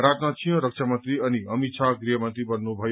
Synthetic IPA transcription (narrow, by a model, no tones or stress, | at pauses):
ɾat̪mat͡sʰiɦʌ̃ɾʌk̚t͡ʃʰamʌnt̪ɾiʌniʌmit͡sʰaɡɾijʌmʌnt̪ɾibʌnːubʱʌj